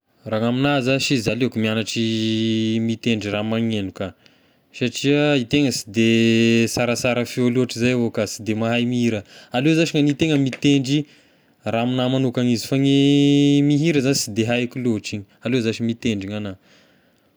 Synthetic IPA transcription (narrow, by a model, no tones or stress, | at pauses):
raŋaminazaʃizalekumianaʈ͡ʂi | mit̪eɳɖ͡ʐiramaŋenuka | saʈ͡ʂiəit̪eŋəsi̥d̪esaɾasaɾəfialuaʈ͡ʂizajavokasid̪emaɦajmiiɾəalozaʃiŋanit̪eŋəmit̪eɳɖ͡ʐi | raminamanukanizifaŋemiɦiɾəzanisid̪eɦajkuloɦʈ͡ʂiɲialezaʃimit̪eɳɖ͡ʐiŋana